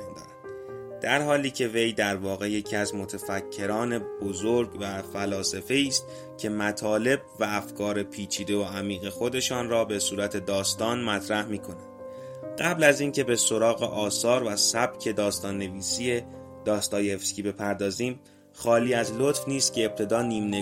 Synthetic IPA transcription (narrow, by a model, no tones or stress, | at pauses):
nd̪ɒ̰ːɾæn̥d̪̥æɾhɒːliːcʰe̞ve̞jd̪æɾvɒːɣe̞je̞cʰiæzmo̞t̪ʰefæcʰːe̞ɾɒːne̞b̥ozoɾɟvæfælɒːsefe̞iːst̪̚ | cʲʰe̞mæt̪ʰɒːle̞b̚væːfkʰɒːɾe̞pʰiːt͡ʃʰiːd̪e̞oæmiːɣe̞xo̞d̪e̞ʃɒːnrɒːbe̞suːɾæt̪ʰe̞d̪ɒːst̪ɒːnmæt̪ʰɾæhmiːkʰo̞nænd̪̥ | ɢæblæziːncʰe̞be̞so̞ɾɒːɣe̞̰ʔɒːsɒːɾvæsæb̥cʰe̞d̪ɒːst̪ɒːnːe̞viːsie̞ | d̪̥ɒːst̪ɒːjeefskʲiːbe̞pʰæɾd̪ɒːziːm | xɒːliːæzlot̪fniːst̪̚cʰʲe̞eb̥̚t̪ʰe̞d̪ɒːniːmne